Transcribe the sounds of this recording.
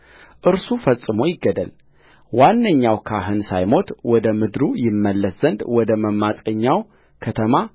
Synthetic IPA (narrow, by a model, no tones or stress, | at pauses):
ʔɨɾsufəsʼːɨmo̞jɪɡːəd̪ə̰l | wanːəɲːawkʰaɦɨnsajmo̞t̪wɔd̪əmɨd̪ɾujɪmːəlːəszənd̪wɔd̪əməmːasʼəɲːaw | kʰət̪ʰəma